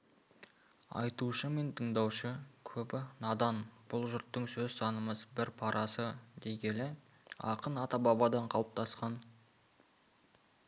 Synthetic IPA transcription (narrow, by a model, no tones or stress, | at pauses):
ɑ̰jt̪uʃəme̞nt̪ʰəɴd̪ɑwʃəkʲʰɵbɪnɑd̪ɑnb̥ʊlˠʒʊɾt̪ːəɴsɵzsɑnəməzbɪɾpʰɑɾʔɑsəd̪e̞ɡʲe̞lɪ | ɑ̰qənɑt̪ɑbɑbɑd̪ɑɴqʰɑlˠəp̚t̪ʰɑsqɑn